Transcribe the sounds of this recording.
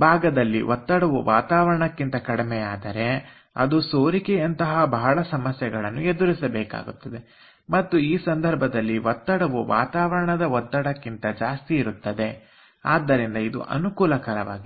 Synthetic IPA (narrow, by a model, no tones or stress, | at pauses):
bʱaːɡɐd̪ɐlːḭʋʔɔt̪ːɐɽɐʋuʋʔaːt̪aːʋɐɾɐɳɐkːint̪ɐkɐɽimɛjaːd̪ɐɾe̞ | ɐ̰d̪usoːɾikeɐnt̪ɐɦɐbɐɦɐɭɐsɐmɐsjɐɡɐɭɐnːue̞d̪uɾisɐbɛːka̰ːɡut̪ːɐd̪e̞ | mɐt̪ːuiːsɐnd̪ʱɐɾbʱɐd̪ɐlːiʋɔt̪ːɐɽɐʋuʋa̰ːt̪aːʋɐɾɐɳɐd̪ɐɔt̪ːɐɽɐkːint̪ɐd͡ʒaːst̪iːɾut̪ːɐd̪e̞ | aːd̪ːɐɾind̪ɐid̪ṵʔɐ̰nukuːlɐkɐɾɐʋa̰ːɡi